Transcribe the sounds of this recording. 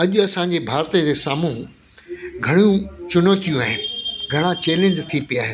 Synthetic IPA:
ɐʄʊɐsãɲd͡ʑebʱaːɾt̪id͡ʑeːsaːmuɦ | ɡʱɐɽ̃ijũt͡ɕʊnoːt̪ijũaːɦɪnɪɡʱɐɽ̃ãt͡ɕeːlẽːɲd͡ʑt̪ʰipijaːɦɪnɪ

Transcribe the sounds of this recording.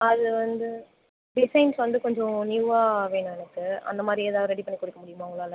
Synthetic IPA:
ɐðɯʋɐnd̪ɯ | ɖɪsɐɪnsʋɐnd̪ɯkɔɲd͡ʒɔ̃niʋaːʋeːɳʊ̃ɛnɐkːɯɐ̰nd̪ɐmaːd̪ɾieːðaːɾɛɽipɐɳːɪkːʊɽɪkːɐmʊɽɪjɯmaːɐʊŋɡɐɭaːlɐ

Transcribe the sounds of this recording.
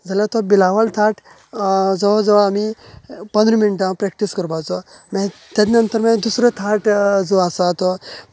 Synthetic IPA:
d͡zalat̪ɔbilaʋəlt̪ʰaʈ | d͡zɔd͡zɔʋamipənd̪ɾəminʈãpɾekʈiskəɾbat͡sɔmẽt̪ed̪nənt̪əɾmẽd̪usɾet̪ʰaʈd͡zoasat̪ɔ

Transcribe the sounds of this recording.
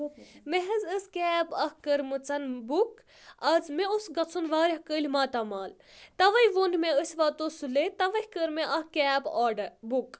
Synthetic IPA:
meɦɐzəskʲɛːbɐhkəɾmɨt͡sɐnbuk | ɐzmeosɡɐt͡sʰunʋaːɾɐhkəːlʲmaːt̪ɐmaːl | t̪ɐʋɐjʋonmeəsʲʋaːt̪osulet̪ɐʋɐhʲkəɾmeʔɐhkɛːbɔːɖɐɾbuk

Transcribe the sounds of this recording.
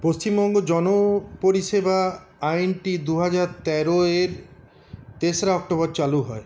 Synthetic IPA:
post͡ɕimbɔŋɡod͡ʒɔnopoɾiʃeba | ajnʈid̪uɦad͡ʒaɾt̪ɛɾoeɾ | t̪esɾaɔk̚ʈobɔɾt͡ɕaluɦɔe

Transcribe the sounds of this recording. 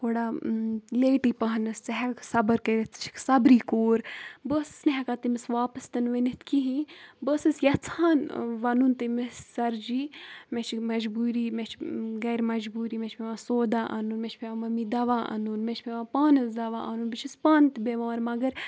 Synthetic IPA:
koːɽaːleːʈiːpaɦnɐst͡sɐɦɛksɐbəɾkɐɾit̪t͡ʃʰi̥ksɐbɾiːkoːɾbəːsɨ̥sneɦɛkaːt̪imɪsʋaːpɐst̪ɐnʋɐnit̪kiɦĩbəːsɨsjɐt͡sʰaːnʋɐnunt̪ɨmissɐɾd͡ʒiːmet͡ʃʰmɐd͡ʒbuːɾiːmet͡ʃʰɡɐːɾmɐd͡ʒbuːɾiːmet͡ʃʰpʲeʋãːsoːd̪aːʔɐ̰nuːnmet͡ʃʰpeʋãmɐmid̪ɐʋaːʔɐ̰nunmet͡ʃʰpʲeʋãːpaːnɐsd̪ɐʋaːʔɐnuːnbit͡ʃʰispaːnt̪beʋaːɾmɐɡɐɾ

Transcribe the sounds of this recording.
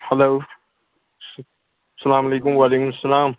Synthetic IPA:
hɐlow | sɐlaːmɐlekʊmwaleːkʊmsːɐlaːm

